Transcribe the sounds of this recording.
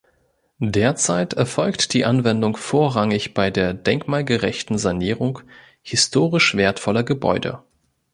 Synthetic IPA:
deːɐt͡saɪtɛɐfɔlktd̥iːʔanvɛndʊŋfoːɐʁaŋɪçb̥aɪdeːɐdɛŋkmaːlɡəʁɛçtn̩zaniːʁʊŋ | hɪstʰoːʁɪʃv̥eːɐtfɔlɐɡəbɔ̰ʏdə̰

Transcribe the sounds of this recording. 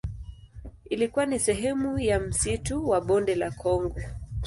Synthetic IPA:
ilikuanisɛɦɛmujam̩situwaɓɔndɛlakʰɔŋɡɔ

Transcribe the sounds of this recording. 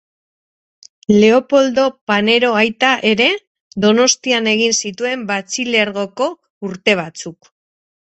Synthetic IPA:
le̞o̞po̞ld̪o̞pane̞ɾo̞ajt̪aʔe̞ɾe̞ | ðo̞no̞st̪iane̞ɣ̞insit̪ue̞mbat͡sile̞ɾɣo̞ko̞ | uɾt̪e̞β̞at͡suk

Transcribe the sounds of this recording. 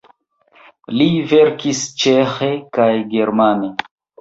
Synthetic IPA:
live̞ɾkist͡ʃexe̞kajɡe̞ɾmane̞

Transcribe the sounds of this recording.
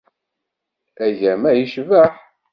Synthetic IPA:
æʝæmæjiʃvæħ

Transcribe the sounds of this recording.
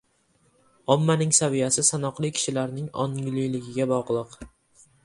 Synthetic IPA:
ɒmːanɪŋsavijasɪsanɒqlˠɪkʲʰɪ̥ʃɪlaɾnɪŋɒ̰nʲlɪjlɪɡʲɪɡʲabɒʁlˠɨq

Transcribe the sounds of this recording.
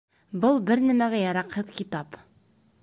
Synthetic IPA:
bɤlˠbɘɾnæmæɡæjɑɾɑqhɤðkit̪ɑp

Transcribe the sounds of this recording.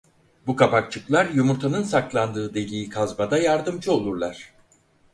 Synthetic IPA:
bukʰapak̚t͡ʃʰɯklˠaɾjumuɾt̪ʰanɯnsaklˠand̪ɯːd̪elʲiːkʰazbad̪ajaɾd̪ɯmd͡ʒɯo̞lˠuɾlˠaɾ̥

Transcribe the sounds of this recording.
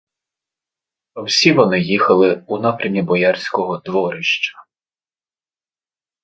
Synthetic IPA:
ɐwsʲiʋɔnɪjixɐlˠɪunɑpɾʲɐmnʲibɔjɑrʲsʲkɔɦɔd̪ʋɔɾɪʃt͡ʃɐ̥

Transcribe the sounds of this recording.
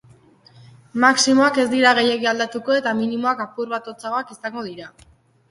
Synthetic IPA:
maksimo̞ake̞zd̪iɾaɣ̞e̞je̞ɣiald̪at̪uko̞e̞t̪aminimo̞akapuɾβat̪ot͡saɣoakisaŋɡo̞ðiɾa

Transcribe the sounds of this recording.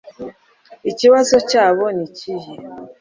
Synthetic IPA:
it͡ʃiwasɔt͡ʃaβɔnit͡ʃiji

